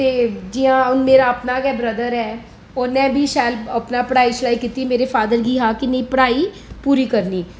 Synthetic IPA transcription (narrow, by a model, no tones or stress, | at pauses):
t̪eːd͡ʒiãːʊnmeːɾaːəpnaːkɛːbɾəd̪əɾɛː | ɔːɾmɛ̃ːbʱiːʃaːləpnaːpəɽaːiːsɽaːikit̪imeːɾefaːd̪əɾɡiːɦaːkɪnəĩpəɽaːiː | puːɾiːkəɾniː